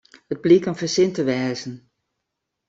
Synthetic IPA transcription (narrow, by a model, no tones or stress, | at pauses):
əd̚blikɔnvəɹsɪntəʋɛːzən